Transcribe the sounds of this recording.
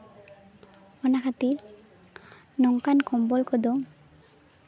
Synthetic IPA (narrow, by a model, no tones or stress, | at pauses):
ɔnakʰat̪iɾ | nɔŋkankʰɔmbɔlkʰɔd̪o